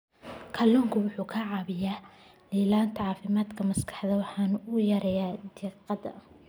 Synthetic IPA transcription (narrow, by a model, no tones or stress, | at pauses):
kʰɐlɔːŋkʰʊwʊħuːkʰɐʕɑːβɪjaː | liːlaːnt̪ʰɐʕɑːfɪmaːd̪kʰɐmɐskʰɑ̥ħd̪ɐwɑħɑːnʊʊjɐɾɛjaːd̪iqɑd̪ɐ̰